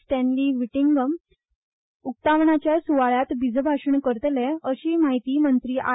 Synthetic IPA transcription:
sʈ̪ɛ̃nliːʋiʈiŋɡəm | uk̚t̪aʋɳat͡ɕjasuʋaɭjat̪bid͡zʱbʱaʂəɳkəɾt̪leəɕiːmaɦit̪iːmənt̪ɾiːʔa̰

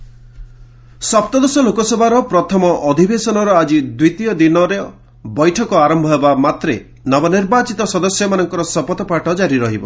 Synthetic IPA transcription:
sɔp̚t̪ɔd̪ɔsɔlokɔsɔbʱaɾɔpɾɔt̪ʰɔmɔʔɔd̪ʱibesɔnɔɾɔad͡ʒid̪wit̪ijɔd̪inɔɾe | bɔjʈʰɔkɔaɾɔmbʱɔɦebamat̪ɾe | nɔbɔniɾbat͡ʃit̪ɔsɔd̪ɔsjɔmanɔŋkɔɾɔsɔpɔt̪ɔpaʈɔd͡ʒaɾiɾɔɦibɔ̰

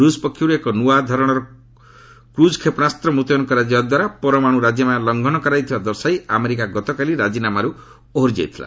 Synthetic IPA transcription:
ɾusɔpɔkʰːjuɾuekɔnuad̪ʱɔɾɔɽ̃ɔɾɔ | kɾud͡ʒɔkʰepɔnast̪ɾɔmut̪ɔjɔŋkɔɾad͡ʒjɔbad̪waɾapɔɾɔmaɽ̃uɾad͡ʒjɔmajalɔŋɡʱɔnɔkɔɾajt̪ʰibad̪ɔɾsajameɾikaɡɔt̪ɔkaliɾad͡ʒinamaɾu | oɦɾd͡ʒa̰jt̪ʰila̰

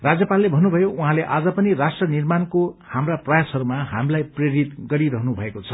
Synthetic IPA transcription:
rad͡zjʌpalːebʱʌnːubʱʌjouɦãleʔad͡zʌpʌnirasʈrʌnirmankohamraprʌjasʌɾumaɦamlajpreɾit̪ɡʌɾiɾʌɦnubʱʌekot͡sʰʌ

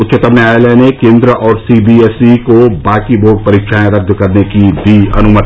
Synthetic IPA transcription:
ʊt̪ːʃət̪əmnaːjlɛnekẽːnd̪ɾəʔɔːɾsiːbiːeːsikobaːkiboːʈ̚pɐɾiːkʃʰaːẽɾɐd̪ʱːkɐɾnekid̪iːɐ̰nʊmət̪

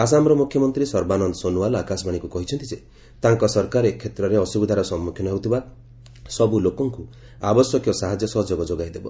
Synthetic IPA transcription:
as̬amɾɔmukʰjɔmɔnt̪ɾisɔɾbanɔnd̪ɔsonuwalɔakasbʱaɽ̃ikukɔɦit͡ʃʰɔnt̪id͡ʒe | t̪aŋkɔsɔɾkaɾekʰːet̪ɾɔɾeɔsubid̪ʱaɾɔsɔmːukʰjɔnɔɦeɦut̪ʰiba | sɔbulokɔŋku | abɔsjɔkjɔsaɦad͡ʒjɔsɔɦɔd͡ʒoɡɔd͡ʒoɡajd̪ebɔ

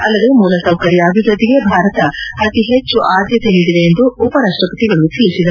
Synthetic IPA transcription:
ɐlːɐd̪e̞muːlɐsɐwkɐɾijaːbʱiʋɾɐd̪iɡe̞bʱaːɾɐt̪ɐɐt̪iɦet͡ʃːuʔaːd̪jɐt̪enid̪id̪eːnd̪uːpɐɾaːʂʈɾɐkɐt̪iɡɐɭut̪ʰiːɭisid̪ɐ

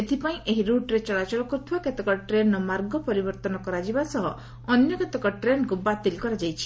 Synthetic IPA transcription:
et̪ʰipaĩeɦiɾuʈɾet͡ʃɔlat͡ʃɔlɔkuɾt̪ʰibaket̪ɔkɔʈɾenɔmaɾɡɔpɔɾibɔɾt̪ɔnɔkɔɾad͡ʒibasɔɦɔ | ɔnjɔket̪ekɔʈɾenkubat̪ilkɔɾad͡ʒajt͡ʃʰi̥

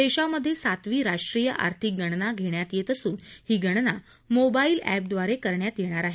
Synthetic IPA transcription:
d̪eɕaməd̪ʱːjesat̪ʋiːɾaʂʈɾijəʔa̰ɾt̪ʰik̚ɡʱəɽ̃naɡʱeɽjat̪jet̪əsuːnhiːɡəɽ̃na | mobaiːlæ̰p̚d̪ʋaɾekəɾɳjat̪jeɽ̃aɾaɦe

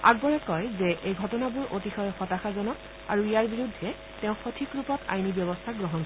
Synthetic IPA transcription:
a̰k̚bɔɹɛkɔjzɛʔejɡʱɔtɔnabuɹʔotixɔjɔxɔtaxazɔnɔk | a̰ɹuijaɹbiɹudʱːɛ | tɛʊ̃xotʰikɹupɔta̰jnibjɔbɔstʰaɡɹɔɦɔnkɔ

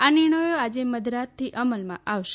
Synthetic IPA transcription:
anɪɳ̃əjoad͡ʒeməd̪ʱɾat̪ʰːiʔəməlmã̰ʔaʋʃ

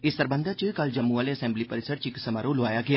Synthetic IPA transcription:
isəɾbənd̪ʱat͡ʃɨkald͡ʒɐmːualeɐsẽmblipəɾisəɖ̚t͡ʃiksəmaɾoluʋaːjaɡja

